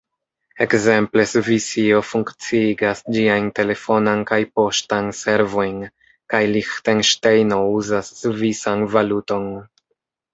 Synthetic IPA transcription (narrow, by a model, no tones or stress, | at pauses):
e̞kze̞mple̞svisio̞fuŋkt͡siiɡasd͡ʒiajnte̞le̞fo̞nankajpo̞ʃtanse̞ɾvo̞jn | kajlixtenʃtejno̞uzasːvisanvaluto̞n